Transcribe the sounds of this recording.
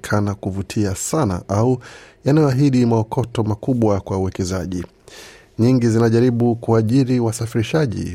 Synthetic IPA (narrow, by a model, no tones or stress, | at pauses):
kʰanakuvutʰiasana̰ʔaujanajɔaɦiɗimaɔkʰɔtɔmakuɓwakwauwɛkɛzaʄi | ɲiŋɡizinaʄaɾiɓukuaʄiɾiwasafiɾiʃaʄḭ